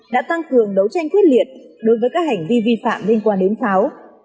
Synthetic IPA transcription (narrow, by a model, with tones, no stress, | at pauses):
ɗa̰ː˧˥t̪a˧ŋkɨ˨˩əŋɗə˨˦wt͡ɕa˧jŋ̟t̪ʰwi˦˥t̚li˨˩ət̚ɗo˨˦jvəː˨˦jkaː˦˥k̚ha˨˩jŋ̟vi˧vi˧fa̰ː˧˨mli˧nkwaː˧nɗe˨˦nsa˨˦w